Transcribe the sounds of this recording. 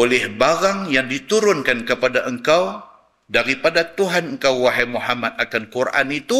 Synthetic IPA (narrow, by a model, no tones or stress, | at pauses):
olɛhbaɾaŋjaŋdit̪uɾʊnkankəpadaʔəŋkaw | daɾipadat̪uɦanəŋkawwaɦajmuɦamat̪̚akankurʔa̰nit̪u